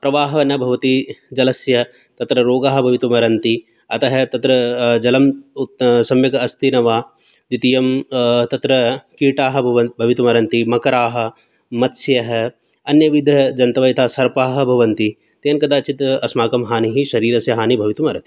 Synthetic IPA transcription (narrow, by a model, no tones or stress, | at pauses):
pɾɐʋaːɦɐɐnɐbʱɐʋɐt̪id͡ʒɐlɐsjɐ | t̪ɐt̪ɾɐɾoːɡaːɦɐbʱɐʋit̪ɐmɐɾɐnt̪i | ɐt̪ɐɦɐt̪ɐt̪ɾɐd͡ʒɐlɐm | sɐmjɐɡɐst̪inɐʋaː | d͡ʒit̪ijɐmt̪ɐt̪ɾɐkiːʈaːɦɐ̆bʱɐʋɐbʱɐʋit̪umɐɾɐnt̪imɐkɐɾaːɦɐ̆ | mɐt̪sjɐɦɐ | ɐnjɐʋid̪ʱɐd͡ʒɐnt̪ɐʋɐjt̪ʰaːsɐɾpaːɦɐ̆bʱɐʋɐnt̪i | t̪eːnkɐd̪aːt͡ʃit̪ɐsmaːkɐmɦaːniɦiʃɐɾiːɾɐsjɐɦaːnibʱɐʋit̪umɐɾɐt̪i̥